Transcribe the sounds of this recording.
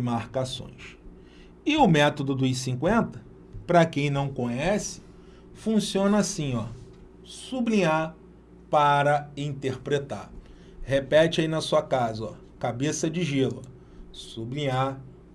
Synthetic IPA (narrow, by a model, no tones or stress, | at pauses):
maɾkasõ̰j̃s | ɪʊmɛt̪od̪ʊd̪ʊisĩkwẽnt̪ɐ | pɾɐkẽj̃nɐ̃w̃kõɲɛsɪ̥ | fũsiõnɐasĩɔ | sublĩɲa | paɾɐĩt̪eɾpɾet̪a̰ɾ | hepɛt͡ʃɪainɐsuɐkazɐɔ̰ | kabesɐd͡ʒɪʒilɐ̰ | sublĩɲa